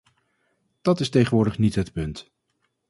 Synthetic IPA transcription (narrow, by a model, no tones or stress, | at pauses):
d̥ɑtɪstejχənʋʊːɹdəχnitɦətpɵnt